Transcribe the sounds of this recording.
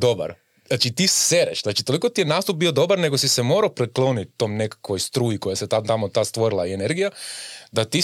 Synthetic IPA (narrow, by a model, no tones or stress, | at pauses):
d̪o̞ba̰ɾ | at͡ʃit̪iseɾeʃznat͡ʃit̪o̞liko̞t̪ijenaːst̪up̚bio̞d̪o̞baɾne̞ɡosisemo̞ːɾaopɾeklˠo̞ːnit̪t̪o̞ːmne̞kḁkʋo̞jst̪ɾuːjikojeset̪at̪amot̪aːst̪ʋo̞ɾilˠaie̞ne̞ɾɡijad̪at̪i